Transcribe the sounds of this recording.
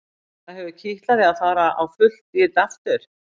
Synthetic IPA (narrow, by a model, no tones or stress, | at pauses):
θaðhɛvʏcʰɪht̪laðɪaðθaːɾaawfʏl̥t̪ɪt̪aft̪ʏɾ̥